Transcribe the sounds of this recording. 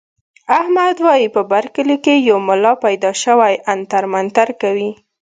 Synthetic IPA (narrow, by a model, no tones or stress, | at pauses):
ahmad̪wɑjipəbaɾkəlikejawmʊlɑpajd̪ɑʃəwajʔant̪aɾmant̪aɾkawi